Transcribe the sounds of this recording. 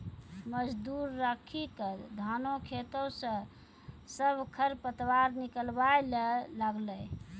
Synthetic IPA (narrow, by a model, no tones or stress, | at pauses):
məd͡ʒd̪uɾːəkʰikəd̪ʱanokʰet̪əsə̃ | səbʱkʰəɾpət̪waɾnikəlbaelelaɡləj